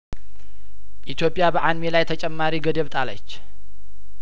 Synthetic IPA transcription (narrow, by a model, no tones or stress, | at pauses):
ʔit̪jo̞pʼːjabəʔanmelajt̪ʰət͡ʃʼɛmːaɾiɡəd̪əβt̪ʼalə̰t͡ʃː